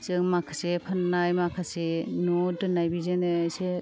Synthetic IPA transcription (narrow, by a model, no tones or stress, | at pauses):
zɯŋmakʰasepʰanːajmakʰasenodɯnajbizenɯse